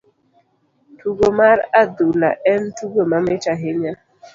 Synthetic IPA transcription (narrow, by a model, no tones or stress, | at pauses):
tuɡomaɾadula̰ʔɛntuɡomamɪtaɦɪɲa